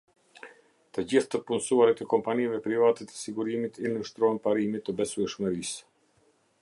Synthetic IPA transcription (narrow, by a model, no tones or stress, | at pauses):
t̪əd͡ʑiθt̪əpunsuaɾit̪əkɔmpaniavɛpɾivat̪ɛt̪ə̥siɡuɾimit̪iluʃt̪ɾɔɛnpaɾimit̪ːəbɛsuɛʃməɾis